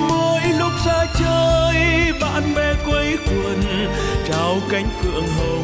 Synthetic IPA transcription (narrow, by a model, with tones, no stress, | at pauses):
mo˧jlʊ˦˥k͡p̚zaː˧t͡ɕəː˧jɓa̰ː˧˨nɓɛ˧kwə˧˦jkwə˨˩n | t͡ɕaː˨˦wka˨˦jŋ̟kɨ̰˧˨əŋɦəː˨˩